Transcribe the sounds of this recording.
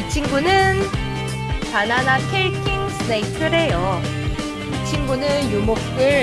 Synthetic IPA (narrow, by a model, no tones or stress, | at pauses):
it͡ɕʰinɡunɯn | pananakʰeɭkʰiŋsʰɯneikʰɯɾejo | it͡ɕʰinɡunɯnjumok̚t͈ɯɭ